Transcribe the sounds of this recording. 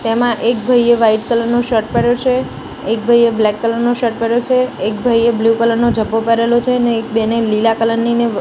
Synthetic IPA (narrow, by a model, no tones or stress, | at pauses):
t̪emãʔek̚bʱəjeʋaiʈkələɾnoʃəʈ̚pəɾjot͡ʃʰeː | k̚bʱəjeblɛkːələɾnoʃəʈ̚pəɾjot͡ʃʰeːkbʱəjeblukələɾnod͡ʒəbʱːopəɾelot͡ʃʰeneːk̚benelilakələnːine